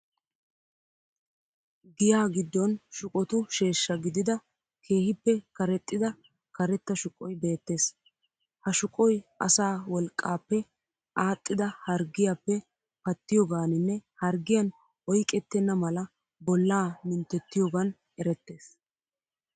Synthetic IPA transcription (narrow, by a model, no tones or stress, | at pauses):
ɡɪjaːɡɪd̪ːɔnʃʊkʼɔt̪ʊʃe̞ːʃːɐɡɪd̪ɪd̪ɐ | kʰe̞ːhɪpːɛkɐɾɛt̪ʼːɪd̪ɐ | kɐɾɛt̪ːɐʃʊkʼɔjbe̞ːt̪ːe̞ːs | hɐʃʊkʼɔjʔɐ̰saːwɔlkʼːaːpːɛ | ʔaːt̪ʼːɪd̪ɐhɐɾɡɪjaːpːɛ | pɐt̪ːɪjɔɡaːnɪnːɛhɐɾɡɪjɐn | ɔjkʼːɛt̪ːɛnːɐmɐlɐ | bɔlːaːmɪnt̪ːɛt̪ːɪjɔɡɐn | ɛɾɛt̪ːe̞ːs